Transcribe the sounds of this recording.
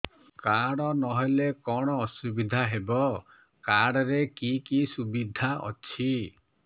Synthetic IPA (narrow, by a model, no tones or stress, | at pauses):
kaɽɔnɔɦɔlekɔɽ̃ɔːsubid̪ʱaɦebɔ | kaɽɔɾekikisubid̪ʱaʔɔ̰t͡ʃʰi